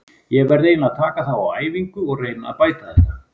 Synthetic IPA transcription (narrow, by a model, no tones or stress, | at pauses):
jɛɣvɛɾːejnaðt̪ʰaːkaθawa̰waːjviŋkʏɔɣreːjna̰paːjt̪aθɛht̪ːa